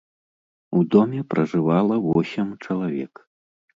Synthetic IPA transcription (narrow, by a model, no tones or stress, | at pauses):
ud̪ɔmʲɛpɾʔɐʐɨvalˠɐvɔsʲɛmt͡ʂɐlˠavʲɛ̰k